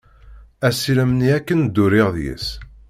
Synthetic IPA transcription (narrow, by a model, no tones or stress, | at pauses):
æsiləmniækːənd̪ːʊɾɪʁðjḭs